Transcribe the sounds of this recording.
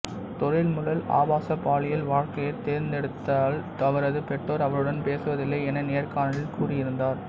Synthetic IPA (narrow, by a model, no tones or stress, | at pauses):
t̪ɔɾɪlmʊlɐla̰ːbaːsɐpːaːɭɪjɐlʋaːɻkɐjɐɪt̪ːeːɾnd̪ɛɽɯt̪ːaːlt̪ɐʋɐɾɐðɯpɛʈːoːɾɐʋɐɾɯɽɐnpeːsɯʋɐðɪlːɐːɛnɐneːɐrkaːnɐlɪlkuːrɪjɪɾɯnd̪aːɾ